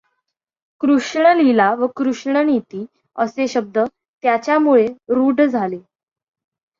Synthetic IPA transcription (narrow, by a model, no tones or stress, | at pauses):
kɾuʂɳəlilaʋəkɾuʂɳənit̪iː | əseɕəb̚d̪ə | t̪jat͡ɕjamuɭeɾuɖd͡zʱale